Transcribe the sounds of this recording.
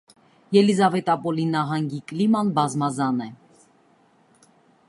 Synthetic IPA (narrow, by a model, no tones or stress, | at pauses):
jɛlizɑvɛt̪ɑpɔlinɑɦɑŋɡiklimɑnbɑzmɑzɑnɛ